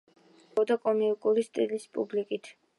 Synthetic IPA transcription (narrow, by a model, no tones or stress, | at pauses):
ɔd̪akʼɔmiukʼulist̪ʼilispʼṵblikʼit̪ʰ